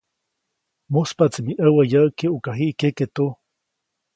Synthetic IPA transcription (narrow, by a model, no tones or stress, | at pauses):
muspat͡simiʔəwajakeʔukaɦiʔkeket̪u